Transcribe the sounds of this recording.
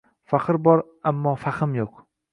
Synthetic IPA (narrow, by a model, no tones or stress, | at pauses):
faqɨɾbɒɾ | amːɒfaχɪmjoq